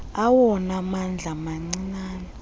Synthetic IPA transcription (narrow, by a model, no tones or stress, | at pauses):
awɔnamand͡ɮʱamaŋ͡ǀinaːnɛ